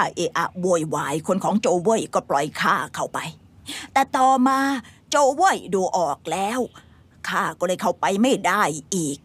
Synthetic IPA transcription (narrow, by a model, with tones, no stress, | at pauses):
ʔeː˧ʔa˧wo˧˩jwaː˧˩jkʰo˧nkʰɔː˩˦ŋt͡ɕoː˧wɤː˥˩˨jkɔː˥˩plɔ˧jkʰaː˥˩kʰa˥˩wpa˧j | t̪ɛː˨˩t̪ɔː˨˩maː˧t͡ɕoː˧wɤ˥˩jduː˧ʔɔː˨˩k̚lɛː˦˥w | kʰaː˥˩kɔː˥˩lɤː˧jkʰa˥˩wpa˧jma˥˩jdaː˥˩jʔiː˨˩k̚